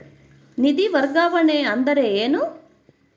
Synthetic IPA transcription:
nid̪iʋɐɾɡaːʋɐɳeɐnd̪ɐɾe̞eːnu

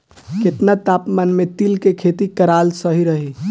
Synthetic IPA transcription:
ket̪nat̪apmanmet̪ilkekʰet̪ikəɾalsəɦiɾəɦi

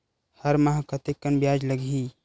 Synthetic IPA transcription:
hɐɾmɐɦakɐt̪ekːənbjaːd͡ʒlɐɡʱiː

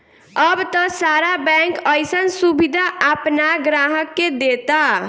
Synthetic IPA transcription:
əbt̪əsaɾabɛŋkəjsənsubid̪ʱaapnaɡɾaɦəkːed̪et̪a

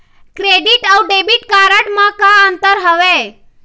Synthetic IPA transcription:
kɾeɖiʈəwɖebiʈkaɾəʈmãkãənt̪əɾɦəʋe

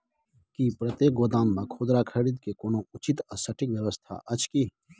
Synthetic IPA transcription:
kipɾət̪jeːk̚ɡoːd̪aːnbakʰoːd̪ɾakʰɐɾid̪kekoːnoʊt͡ʃit̪əsəʈʰikʋjəʋəst̪ʰa̰ʔɐt͡ʃki

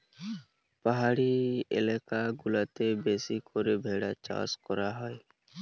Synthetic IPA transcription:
paɦaɽiḛlekaɡulat̪ebesikʰɔɾebʱeɽat͡ʃa̰skɔɾaɦɔj

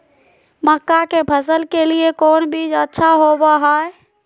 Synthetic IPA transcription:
məkːakepʰəs̬əlkeliekoːnbid͡ʒətːʃʰaɦobaɦae

